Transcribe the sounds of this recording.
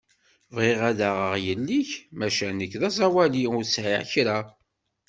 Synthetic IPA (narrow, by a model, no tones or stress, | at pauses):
vʁiʁæðaʁəʁjəlːiçmæʃænəkːðæsˤæwæliʊɾsʕḭʕçɾæ